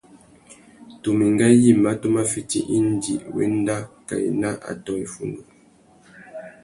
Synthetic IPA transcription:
tu˨mi˨ŋɡa˦ji˦˨ma˦tu˦ma˦fi˦ti˦ʔi˦n˦dḭ˨wɛ̰˦n˦da˦ka˨ḭ˨na˦ʔa̰˨tɔ˦i˨fu˨ndu˨

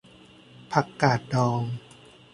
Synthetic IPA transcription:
pʰa˧˩kːaː˨˩t̪̚dɔː˧ŋ

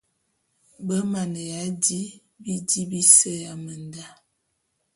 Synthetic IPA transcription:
bə˦ma˨nə˨ja˨˦di˦ | bi˦di˦bi˦sə˦ja˨mə˨nda˦

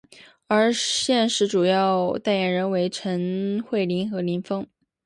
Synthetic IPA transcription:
ə˞˧˥ɕjɛ˥˧nʂɻ̩˧˥ʈ͡ʂu˨˩jɑ˥˩ʊt̪a˥˩ɪjɛ˨˩nɻə˧˥nwe˧˥ɪʈ͡ʂʰə˧˥nxwe˥˩ɪli˧˥nxɤ˧˥li˧˥nfɤ˥ŋ

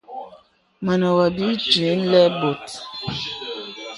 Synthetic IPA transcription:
ma˨nɔ˨wa˨bi˦d͡ʒe˨˦n˦lɛ˦bo˨t

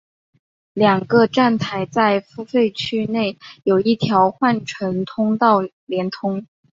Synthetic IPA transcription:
ljɑ˨˩ŋɡə˧ʈ͡ʂa˥˩nt̪ʰa˧˥ɪt͡sa˥˧ɪfu˥fe˥˧ɪt͡ɕʰy˥ne˥˩ɪjo˨˩ʊi˥˩t̪ʰjɑ˧˥ʊxwa˥˩nʈ͡ʂʰə˧˥nt̪ʰʊ˥ŋt̪ɑ˥˩ʊ | ljɛ˧˥nt̪ʰʊ˥ŋ

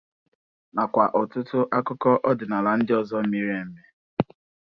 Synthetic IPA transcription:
na˨kʷa˨ʔɔ˨tʊ˦tʊ˦ʔa˦kʊ˦kɔ˦ʔɔ˦dɪ˨na˨la˨n̩˦dɪ˦ɔ˦zɔ˦mi˦ɾe˦˨m̩˦me˦

